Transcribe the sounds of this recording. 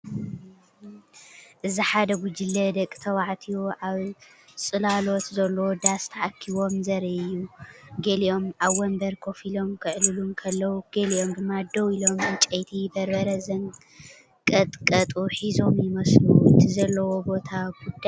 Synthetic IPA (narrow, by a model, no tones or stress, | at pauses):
ʔɨziħad̪ɐɡud͡ʒilːɐd̪ɐkʼːt̪ʰɐwaʕt̪ʰiwuʔaβ | sʼɨlalo̞t̪zɐlːɐwod̪ast̪ʰɐʕakʰːiβo̞mzɐɾʔɨjːuɡelio̞mʔaβwɐmbɐɾkʰo̞filo̞mkʰɨʕlɨlumkʰɐlːɐwuɡ̥elio̞md̪ɨmːad̪owilo̞mɨt͡ʃʼɐjt̪ʰibɐɾbɐɾɐzɐŋ | kʼɐt̪ʼkʼɐt̪ʼuħizo̞mjɪmɐslut̪ʰizɐlːɐwo̞bo̞t̪ʰaɡud̪a